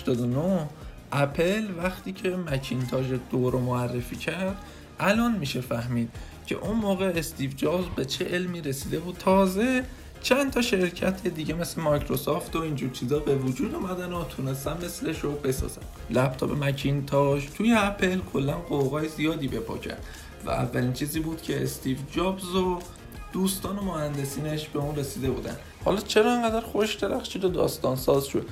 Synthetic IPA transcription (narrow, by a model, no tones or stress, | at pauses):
hæʃt̪ɒːd̪onoh | ʔæpʰelvæxt̪ʰiːcʰe̞mæcʰint̪ʰɒːʒed̪̥oːɾomoærːefiːcʰæɾd̪̥ | ʔælɒːnmiːʃe̞fæhmiːd̪̥ | cʰe̞̰ʔunmoːɣe̞ːst̪iːvd͡ʒɒːzbe̞t͡ʃʰeʔelmiːɾesiːd̪e̞buːd̪̚t̪ʰɒːze̞ | t͡ʃʰænt̪ʰɒːʃe̞ɾcʰæt̪ʰed̪iːɟeme̞slemɒjkʰɾosɒːft̪oiːnd͡ʒuːɾt͡ʃʰiːzɒːbe̞vod͡ʒuːd̪umæd̪ænot̪ʰunest̪ænme̞sle̞ʃobe̞sɒ̰ːz̥æ̰m | læp̚t̪ʰɒ̰ːpemæcʰiːnt̪ʰɒʃt̪ʰuːjeæpʰe̞lkʰo̞lːænɢoɣɒːjezijɒːd̪iːbe̞pʰɒ̰cʰæ̰nd̪̥ | væ̰æ̰vːæliːnt͡ʃʰiːziːbuːd̪̥cʰe̞ːst̪ʰiːvd͡ʒɒːbzo | d̪̥uːst̪ɒːno̞mohænd̪e̞siːneʃbeuːnre̞siːd̪e̞bṵːd̪æ̰n | hɒ̰ːlɒt͡ʃʰe̞ɾɒːeŋɡæd̪æɾxoʃd̪e̞ɾæxʃiːd̪od̪ɒ̰ːst̪ɒːnsɒːzʃo̰d̪